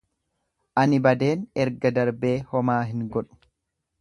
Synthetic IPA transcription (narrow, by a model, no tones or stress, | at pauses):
ʔɐnɪbɐd̪e̞ːnɛɾɡɐd̪ɐɾbe̞ːhɔmaːɦɪŋɡɔᶑʊ̥